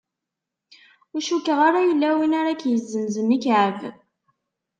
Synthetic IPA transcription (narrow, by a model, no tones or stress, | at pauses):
ʊʃukːəʁaɾajəlːæwinaɾakjəzːənzənikʕəv